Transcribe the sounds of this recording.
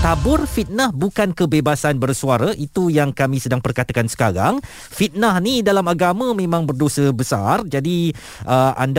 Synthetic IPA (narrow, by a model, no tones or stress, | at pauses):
t̪abʊrfit̪̚nahbukankəbebasanbərsuaɾaʔit̪ujaŋkamĩsədaŋpərkat̪akansə̥kaɾa̰ŋ | fit̪̚nahnidalamaɡamãmẽmãŋbərdosəbəsa̰rd͡ʒadi | ʔəʔa̰nd